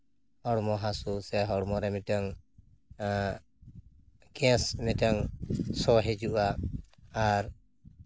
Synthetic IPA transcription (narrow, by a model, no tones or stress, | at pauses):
hɔɽmɔɦasusɛɦɔɽmɔɾɛmidaŋ | ɡɛ̃smɛdaŋsɔɦɛd͡ʒuʔaː | ɾ